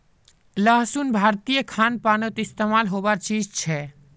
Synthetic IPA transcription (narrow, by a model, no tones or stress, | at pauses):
ləɦsunbʱaːɾt̪ijəkʰaːnpanot̪ɪst̪emalɦobaɾt͡ʃiːd͡ʒt͡ʃʰɛ